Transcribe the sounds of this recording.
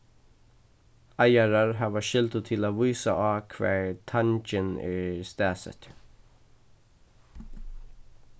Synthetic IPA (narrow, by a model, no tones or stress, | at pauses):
ajaɹaɹɦaːvaʃɪlt̪ət̪ʰɪlaːvuːsaʔaːkʰvɛ̰ːɹt̪ʰant͡ʃɪnɛ̰st̪æːsə̰t̪